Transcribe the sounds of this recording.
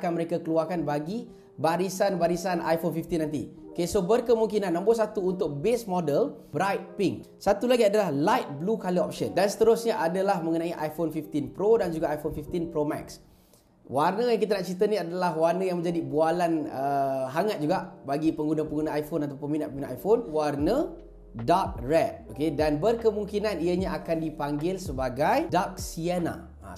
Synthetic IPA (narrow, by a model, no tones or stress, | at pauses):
kanməɾekakəluarkanbaɡi | baɾisanbaɾisanʔa̰jfonfift̪inːant̪̬ḭkesobərkəmuŋkinanːãmbʊsat̪uːnt̪ʊk̚besmɔdəl | bɾajt̪̚piŋk | sat̪ulaɡiadalahlajt̪̚blukaliɔ̰p̚ʃəndansə̥t̪əɾʊsɲaʔadəlahmə̃ŋənãiʔajfonfift̪inpɾodand͡ʒuɡaʔajfonfift̪inpɾomɛ̰ks | warnəjaŋkit̪̬anaʔt͡ʃit̪̬əniadalahwarnəjaŋmə̃ɲd͡ʒadibualanəɦaŋat̪̚d͡ʒuɡaʔbaɡipəŋɡunapəŋɡunaajfonat̪aponminat̪ʔ̚pəminaʔajfonwarnə | dak̚rɛt̚okedanbərkəmũŋkinaniəɲãakandipaŋɡɪlsəbaɡajdak̚siana̰ | a̰